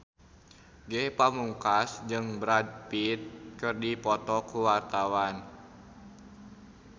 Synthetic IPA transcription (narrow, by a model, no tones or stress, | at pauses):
ɡɛhpamuŋkasd͡ʒɨŋbəɾad̪̚pit̪̚kɨrdipɔt̪ɔkuwart̪awan